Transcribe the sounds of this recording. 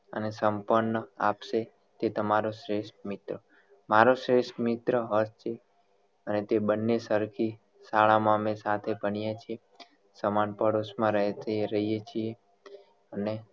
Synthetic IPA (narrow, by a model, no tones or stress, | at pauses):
ə̰nesəmpəɾɳːəa̰pʃe | t̪et̪əmaɾoʃɾeʃʈmɪt̪ɾə | maɾoʃɾeʃʈmɪt̪ɾəɦəst͡ʃʰe | ənet̪ebənːesəɾkʰi | saɭamãmesat̪ʰebəɳijat͡ʃʰie | səmanpəɽosmãɾəɦt̪eɾəɦijet͡ʃʰije | əne